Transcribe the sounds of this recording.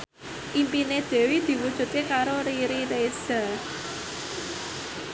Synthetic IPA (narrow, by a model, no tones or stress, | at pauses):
ʔimpined̪̥e̤wid̪̥i̤wud̥ʒ̥ṳt̪̚kekaɾoɾiɾiɾe̥z̥a̤